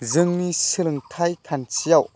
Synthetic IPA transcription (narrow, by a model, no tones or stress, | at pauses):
zɯŋnisilŋt̪ʰajkʰɐnt͡sʰiaw